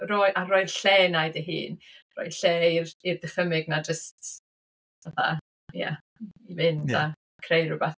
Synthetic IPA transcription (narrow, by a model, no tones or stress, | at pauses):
roɨʔaroːɨðɬɛːnajdiɦɨ̰ːnro̰ːɨðɬɛːirirdəχəmɪɡnad͡ʒəst | vaθa̰ | ja̰ | ivɪnda | kʰrejrʊbɛθ